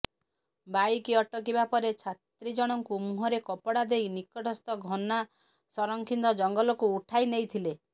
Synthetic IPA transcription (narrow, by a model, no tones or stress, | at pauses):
bajkiɔʈɔk̬ibapɔɾet͡ʃʰat̪ɾid͡ʒɔɽ̃ɔŋkumuɦɔɾekɔpɔɽad̪ejnikɔʈʰɔst̪ɔɡʱɔna | sɔɾɔŋkʰind̪ɔd͡ʒɔŋɡɔlɔkuːʈʰajnejt̪ʰile